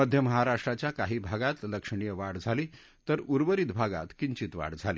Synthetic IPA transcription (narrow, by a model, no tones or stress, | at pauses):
əd̪ʱjəməɦaɾaʂʈɾat͡ɕjakaɦiːbʱaɡat̪ləkʂəɳ̃ijəʋaɽd͡zʱaliː | t̪əɾuɾʋəɾiːt̪bʱaɡa̰t̪kiɲt͡ɕiːt̪ʋa̰ɽd͡zʱalḭ